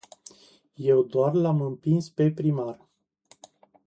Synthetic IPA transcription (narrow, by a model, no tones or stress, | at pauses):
je̞wd̪oarlamɨmpinspe̞pɾimar